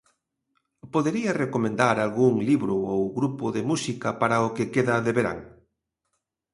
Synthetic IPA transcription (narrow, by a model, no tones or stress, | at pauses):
poðeɾiɐrekomẽnd̪aɾalɣuŋliβɾʊowɣɾupʊðemusikɐpaɾaʊkekeðɐðeβeɾa̰ŋ